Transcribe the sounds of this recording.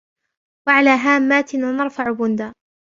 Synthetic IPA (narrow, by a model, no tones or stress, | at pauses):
waʕalaːɦaːmːaːt̪ɪnaːnɑɾˤfaʕbʊnd̪aː